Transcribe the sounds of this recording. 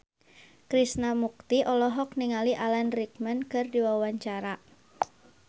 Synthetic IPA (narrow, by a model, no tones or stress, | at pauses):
kɾisnamuk̚t̪iʔɔlɔɦɔk̚niŋaliʔalanrik̚mənkɨrdiwawaɲt͡ʃaɾa